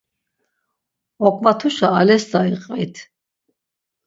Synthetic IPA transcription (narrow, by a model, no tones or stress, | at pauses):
ɔkʼvat̪ʰuʃaːlɛsd̪aiqʼvit̪ʰ